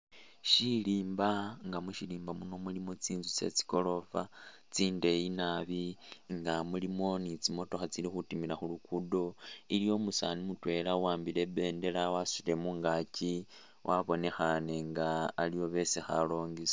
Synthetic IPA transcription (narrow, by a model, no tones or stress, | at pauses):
ʃiliːmbaŋɡamuʃiliːmbamuno̞mulimot͡siːnzut͡se̞̰t͡si̥ko̞lo̞fa | t͡siːnde̞jinaβiŋɡamulimo̞nit͡simo̞to̞xat͡silixutimiɾaxulukudo̞ilijo̞musanimutwe̞lawaːmbile̞be̞ːnde̞lawasiɾe̞muŋɡaci | wʔaβo̞ne̞xane̞ŋɡaːlijo̞βe̞sexa̰lo̞ːŋɡis